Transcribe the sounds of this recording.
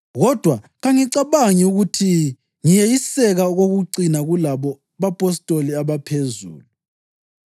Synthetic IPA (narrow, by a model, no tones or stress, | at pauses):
ɣɔd̥ʱwa | ɣaŋiǀaβaŋiuɣutʰi | ŋijejisɛɣaɣoɣuǀinaɣulaβɔ | βapʼɔstʼoliaβapʰezṵːlu